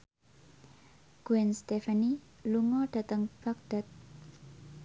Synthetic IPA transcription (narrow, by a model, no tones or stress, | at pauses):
ɡ̥uɛnst̪efani | luŋɔɖ̥ä̤t̪əŋb̥ak̚d̪̥at̪̚